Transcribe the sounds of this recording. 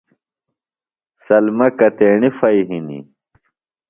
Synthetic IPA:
sɐlmɐkɐt̪eːɳifɐjɦinḭ

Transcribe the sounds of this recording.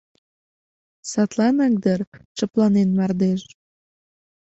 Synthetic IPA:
sɑt̪lɑnɑk̚d̪ərt͡ʃəplɑnenmɑrd̪eʃ

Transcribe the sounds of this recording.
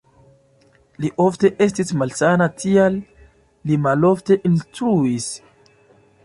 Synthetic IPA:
liʔo̞fte̞ʔe̞s̬tismalsanatʰialː | imalo̞fte̞ʔinstɾuis

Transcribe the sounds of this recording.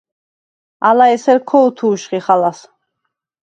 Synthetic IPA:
alaɛsɛɾkʰɔut̪ʰuːʃχiχalas

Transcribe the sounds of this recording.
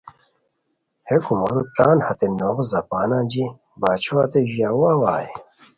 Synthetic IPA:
hekumoɾut̪aːnhɐt̪enoɣzɐpaːnãːd͡ʑi | baːt͡ɕʰoat̪eʑijawaːwaːje

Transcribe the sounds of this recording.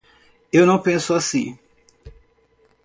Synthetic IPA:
ewnɐ̃w̃pẽsʊasĩ

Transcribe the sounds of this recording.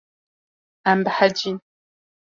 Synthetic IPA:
ambħad͡ʒiːn

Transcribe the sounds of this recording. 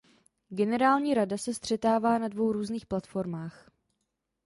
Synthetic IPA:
ɡɛnɛɾaːlɲiːɾadasɛst̪r̝̥ɛt̪aːvaːnadvo̞wɾuːzniːxplat̪fo̞ɾmaːx

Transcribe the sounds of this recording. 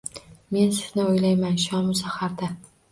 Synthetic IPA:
me̞nsɪz̥nɪojlajmanʃɒmʊsahaɾd̪a

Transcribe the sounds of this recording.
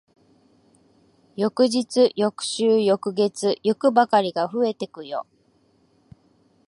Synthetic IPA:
jo̞kɯ̟ʑit͡sɨjo̞kɯ̟̥ɕɨːjo̞kɯ̟ɡe̞t͡sɨjokɯ̟bakaɾʲiɡaɸɯ̟e̞t̪e̞kɯ̟jo̞̰

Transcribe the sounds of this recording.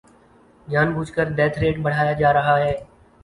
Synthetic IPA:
d͡ʒjaːnbuːt͡ʃkəɾd̪ɛːt̪ʰɾeːʈɓəɽ̤aːjad͡ʒaːɾəɦaːɦɛː

